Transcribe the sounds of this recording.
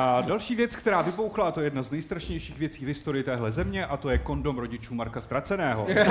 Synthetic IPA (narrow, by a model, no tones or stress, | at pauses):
ʔadalʃiːvjɛt͡skt̪ɛɾaːvɪbowxlat̪ojɛjɛdnaznɛjst̪ɾaʃɲɛjʃiːɣvjɛt͡siːvɦɪst̪o̞ɾɪjɪt̪ɛːɦlɛzɛmɲɛʔat̪o̞jɛko̞ndo̞mɾo̞ɟɪt͡ʃuːmaɾkast̪ɾat͡sɛnɛːɦo̞̰